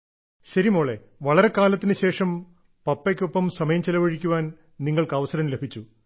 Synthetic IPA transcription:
ɕɐɾimo̞ːɭe̞ | ʋɐɭɐɾe̞kaːlɐt̪ːinɨɕe̞ːʂɐm | pɐpːek̬ʲːo̞pːɐmsɐmɐjɐmt͡ɕelɐʋɐɻikʲːuʋaːn | niŋːɐɭkɐʋɐsɐɾɐmlebʱit͡ɕːu

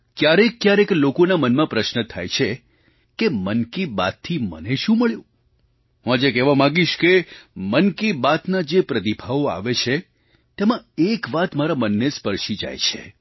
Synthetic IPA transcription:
kjaɾekːjaɾeklokonamənmãpɾəʃnət̪ʰa̰jt͡ʃʰe | kemənkiba̰t̪ʰːimə̰neʃũməɭjõ | ɦũad͡ʒekɛʋamãɡiʃkemənkibat̪nad͡ʒepɾət̪ibʱaʋoa̰ʋet͡ʃʰe | t̪emãekʋat̪maɾamənːespəɾʃid͡ʒa̰jt͡ʃʰe̥̰

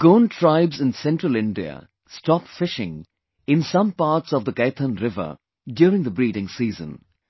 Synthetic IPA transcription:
ɡ̥õːnʈʰɾaɪbzɪ̃nsɛ̃nʈɾəlɪ̃nɖiə̰ | stɔpfɪʃɪ̰̃ŋ | ɪ̃nsʌ̃mpaːɾʈsɔvd̪əkeɪt̪ʰə̃nɾɪvə̰ | ɖjuːɾɪ̃ŋd̪əbɾiːɾɪ̃ŋsiːzə̰̃n

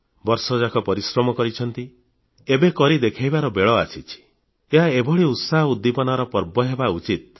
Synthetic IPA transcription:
bɔɾsɔd͡ʒakʰɔpɔɾisɾɔmɔkɔɾit͡ʃʰɔnt̪i | ebekɔɾid̪ekʰajbaɾɔbeɭɔasʰit͡ʃʰi̥ | eɦaebʱɔɭiut̪saɦɔud̪ːipɔnaɾɔpɔɾbɔɦebaut͡ʃit̪̚

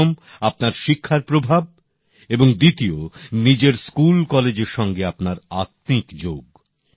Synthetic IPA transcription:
omapnaɾʃikʰːaɾpɾobʱab̚ | eboŋd̪it̪ionid͡ʑeɾskulkɔled͡ʑeɾʃɔŋɡeapnaɾat̪̚nikd͡ʑoɡ

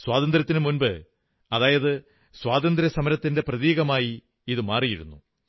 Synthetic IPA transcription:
swaːðɐnd̪ɾɐt̪ːinɨmunbɨ | ɐðaːjɐðɨ | swaːd̪ɐnd̪ɾɐsɐmɐɾɐt̪ːinde̞prɐðiːɣɐmaːji | iðɨmaːrijiɾṵnːu

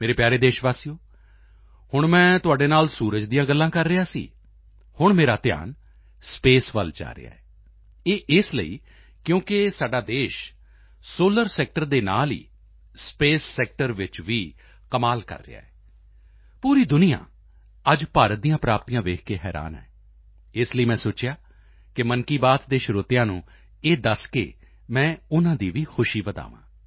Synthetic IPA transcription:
meːɾeːpjaːɾeːd̪eːʃʋaːsiːjoː | hʊɳmɛ̃ːt̪ʊaːɖeːnaːlsuːɾəd͡ʒd̪ijãːɡəlːãːkəɾːɪaːsḭː | hʊɳmeːɾaːt̪ɪja̰ːn | speːsʋə̰ld͡ʒa̰ːɾɪ̰ja̰ːɛː | eːʔɪslə̰iː | kjõːkɪsaːɖaːd̪eːʃ | soːləɾsɛːk̚ʈəɾd̪eːna̰ːlḭː | speːsːɛːk̚ʈəɾʋɪt͡ʃʋiː | kəmaːlkə̰ɾːɪ̰ja̰ːɛː | puːɾiːd̪ʊnɪjã̰ː | əd͡ʒpaːɾət̪̚d̪ijãːpɾaːpt̪ijãːʋeːkʰkeːɦɛːɾa̰ːnɛ̰ː | ɪsləiːmɛ̃ːsoːt͡ʃɪjaː | kɪmənkiːbaːt̪d̪eːʃʊɾoːt̪ɪjãːnũː | eːd̪əskḛː | mɛ̃ːʊnãːd̪iːʋiːxʰʊʃiːbəd̪a̰ːʋã̰ː

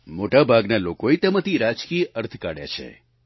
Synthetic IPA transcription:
moʈabʱaɡnalokoet̪əmət̪iɾad͡ʒkijəʔəɾt̪ʰkaɽja̰t͡ʃʰḛ

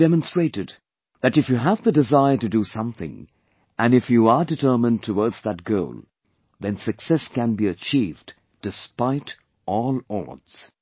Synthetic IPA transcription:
dɛmə̃nstɹ̥eɪɾɨd̪̚ | ðætɨfjɨɦævðədɪzaɪətɨdusʌ̃mθɪ̰̃ŋ | ʔæ̃nɨfjuədɨtʰɜ˞mə̃ntʰəwɔɹdzðət̚ɡ̥oʊlˠ | ðɛ̃nsɨksɛskæ̃nbiət͡ʃʰivd | d̥ɨspaɪɾ | ʔɔlˠɔ̰ɹdz̥

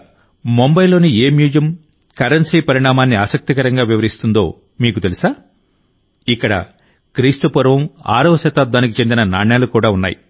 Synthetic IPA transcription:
mombɐjlo̞ːnieːmjuːd͡ʒɐm | kɐɾɐnsiːpɐɾiɳaːmaːnːiaːsɐk̚t̪ikɐɾɐŋɡaːʋiʋɐɾist̪und̪o̞̰ː | miːkut̪elisaː | ikːɐɽɐ̰ | kɾiːst̪upɐɾʋɐma̰ːɾɐʋɐsɐt̪aːd̪aːnikit͡ʃe̞nd̪inɐnaːɳjaːlukuːɽaːunːa̰ːjḭ

